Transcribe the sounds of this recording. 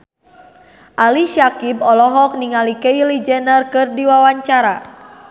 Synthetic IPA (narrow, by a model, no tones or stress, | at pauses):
ʔaliʃakibɔlɔɦɔk̚niŋalikɛilid͡ʒɛnərkɨrdiwawaɲt͡ʃaɾa